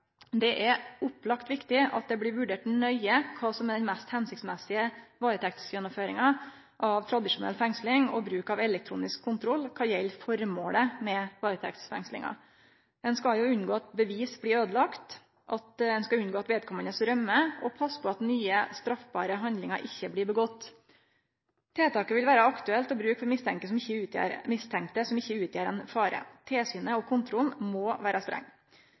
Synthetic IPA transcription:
d̪ɛʔɛɾʊplɑkt̪ʋɪkt̪ɪɑ̰t̪̚d̪ɛblɪɾʋʉɖeːʈnœʏəkʰɑːsɔmːɛd̪ɛnmɛst̪hɛnsɪk̚t̪smɛsɪəʋɑːɾət̪ʰɛkt̪ɪ̥skəjɛnːɔføːɾɪŋɑ | ʔɑʋt̪ʰɾɑd̪ɪʂʊnɛ̰lfɛŋslɪŋɔ̰bɾʉːkɑʋɛlɛk̚t̪ʰɾṵːnɪskʰːʊnt̪ʰɾɔlːkʰɑːjɛlfɔɾmoːləmɛʋɑːɾət̪ʰɛ̰kt̪ɪ̥sfɛ̰ŋslɪ̰ŋɑ̰ | d̪ɛnskɑjʊʉnːɡoːɑt̪̚bəʋiːsbliːøːd̪əlɑkt̪ | ʔɑt̪d̪ɛnskɑʉnɡoːɑt̪ʋeːd̪̚kʰɔmːənəsɾœmːəɔpʰɑsːpʰɔɑt̪nyːəst̪ɾɑfbɑːɾəɦɑnd̪lɪŋɑ̰ʔɪçːəbliːbəɡɔt̪ː | t̪ʰeːt̪ʰɑːkəʋɪlʋæːɾəɑkt̪ʉɛlt̪ɔbɾʉːkfɔɾmɪst̪ʰɛŋkəsɔmɪçːəʉːt̪ːɾmɪst̪ʰɛŋk̚t̪əsɔmɪçːəʉːt̪ʰjeːɾɛnfɑːɾə̰t̪ʰeːsyːnəɔkʰʊnt̪ʰɾʊlnmoːʋæːɾɑst̪ɾɛ̰ŋː

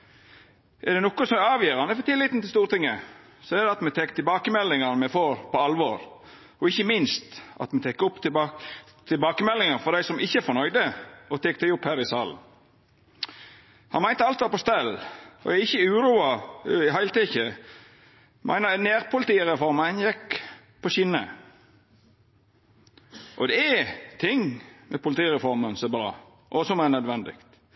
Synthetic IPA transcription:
ʔɛʁd̪ɛnɔkːʊsɔmɑːʋjiːɾɑnɛfɔt̪ʰɪlːɪt̪n̩t̪ɪlst̪uːɾt̪ɪŋːə | sɔɛɾd̪ɛɑt̪mɛt̪ʰɛkːt̪ʰɪlbɑːkəmɛlːɪŋənmɛfoːɾpʰɔɑlʋoːɾ | ɔɪçːəmɪnst̪ɑ̰t̪mɛt̪ʰɛkːəʊpːt̪ | t̪ʰɪlbɑːkəmɛlːɪŋəɾfɔɾd̪æɪsɔmʔɪçːəɛɾfɔɾnœʏd̪əɔt̪ʰɛːk̚ːd̪æɪʊphæːɾɪsɑ̰ːln̩ | hɑnmæɪnt̪əɑlt̪ʋɑpɔst̪ɛlʔɔ̰æɪçːəʉːɾuːɑɪɦæɪlt̪ɛçə | mʔæ̰ɪnəneːʁpʰʊlɪt̪iːɾɛfɔɾmənjɛk | pʰɔɕɪnə̰ | ʔɔd̪ɛt̪ʰɪŋmɛpʰʊlɪt̪iːɾɛfɔɾmənsɛbɾɑ̰ː | ʔɔsɔmɛnœd̪ʋɛnd̪ɪ̰kt̪

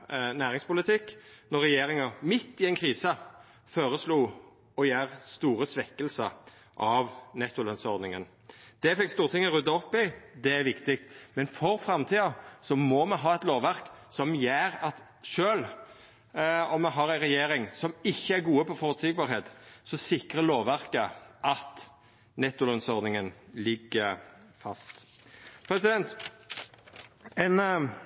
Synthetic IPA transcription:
næːʁɪŋspʊlɪt̪ʰɪknɔɾːɛjeːɾɪŋɑmɪt̪ːɪɛnkʰɾiːsə | foːɾəsluː | ɔjæːʁst̪uːɾəsʋɛkːəlsə̰ | ʔɑʋnɛt̪ːʊlɛnsɔɾd̪nɪŋə̰n | d̪̥ɛfɛkːst̪uːʁt̪ʰɪŋːɔɾʉd̪ːɑɔpːɪd̪ɛæɾʋɪkt̪ɪk̚t̪mɛnfɔɾfɾɑmt̪ʰiːɑsɔmɔmɛɦɑːɛt̪loːʋæɾksɔmjeːɾɑt̪ | ʃøːl | ɔmːɛɦɑɾæɪɾɛjeːɾɪŋsɔmɪçːəæɾɡuːəpɔfɔɾʉt̪sɪɡ̚bɑːɾheːt̪sɔsɪkɾəloːʋʋæʁkəʔɑt̪ | nɛt̪ːʊlɑnsɔʁd̪nɪŋənlɪɡːəfɑ̰st̪ | pʰɾɛsɪd̪ɛnt̪ | ɛn

